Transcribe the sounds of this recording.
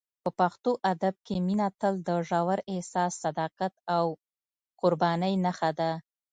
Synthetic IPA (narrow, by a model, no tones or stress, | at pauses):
pəpaxt̪oʔad̪ab̚keminat̪əld̪əʒɑwaɾehsɑsːad̪ɑqat̪aw | qʊɾbɑnəjnaxad̪a